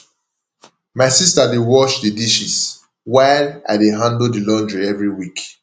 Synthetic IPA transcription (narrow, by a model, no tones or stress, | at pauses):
maɪsistadewɔʃdidiʃis | waɪla̰ɪdeɦãndldilɔ̃ndɹiɛvɹiwik